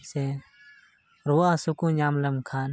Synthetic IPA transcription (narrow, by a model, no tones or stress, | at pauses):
se | ɾuwaːsukũːɲaːmlɐmkʰaːn